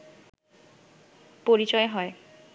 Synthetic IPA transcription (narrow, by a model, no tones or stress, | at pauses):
poɾit͡ɕɔeɦɔe